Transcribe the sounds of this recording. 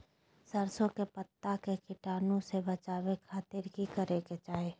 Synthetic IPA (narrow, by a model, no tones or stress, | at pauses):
səɾsõkepət̪ːakekɪʈaːnõsebət͡ʃaːwekʰaːt̪ɪɾkikəɾeket͡ʃaːɦe